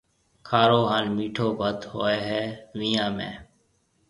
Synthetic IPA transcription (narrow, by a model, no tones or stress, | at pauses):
kʰaːɾoːɦaːnmiːʈʰoːbət̪hoːeːɦɛːʋiːãːmḛ̃ː